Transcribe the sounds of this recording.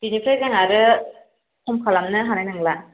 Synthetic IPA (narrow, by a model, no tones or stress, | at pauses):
binipʰazaŋaɾɯ | kʰɔmkʰalamnɯɦanajnɯŋla